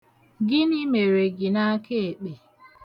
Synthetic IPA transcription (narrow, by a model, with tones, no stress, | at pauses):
ɡɪ˦ni˦me˨ɾe˨ɡɪ˨na˦ke˦e˨k͡pe˨